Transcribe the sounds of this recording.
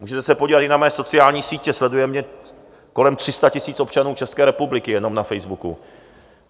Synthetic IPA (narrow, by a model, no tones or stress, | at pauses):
muːʒɛt̪ɛsɛpoɟiːvat̪ɪnamɛːso̞t͡sɪaːlɲiːsiːcɛslɛdujɛmɲɛ | ko̞lɛmt̪r̥ɪst̪acɪsiːt͡so̞pt͡ʃanuːt͡ʃɛskɛːɾɛpublɪkɪjɛno̞mnafɛjzbukṵ